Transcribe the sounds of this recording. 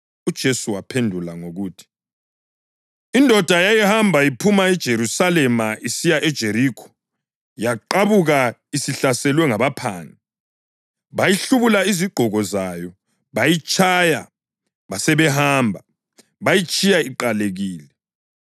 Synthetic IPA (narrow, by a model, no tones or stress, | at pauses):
ud̥ʒ̥ʱesuwapʰendʱulaŋoɣuːtʰi̥ | indʱɔd̥ʱajajihambʱajipʰumaɛd̥ʒ̥ʱeɾusalɛmaʔisijaʔɛd̥ʒ̥ʱeɾiːkʰɔ̥ | jaǃaβuɣaisiɬasɛlwɛŋaβapʰaːni | βajiɬuβulaiziɡ͡ǃʱɔɣɔzajɔ | βajit͡ʃʼʰaja̰ | βasɛβɛhaːmbʱa | βajit͡ʃʼijaiǃaleɣiːlɛ